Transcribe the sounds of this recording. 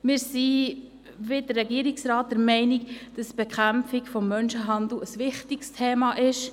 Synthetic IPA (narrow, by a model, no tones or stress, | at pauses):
mɪːɾsi | ʋɪd̥ərrɛɡiəɾiksɾɑːt̚d̥əɾmɛɪnikd̥ɑsb̥ɛkʰæmfikfɔmːœnʃəɦɑnd̪l̩əsʋɪχtikstʰeːmɑʔɪʃ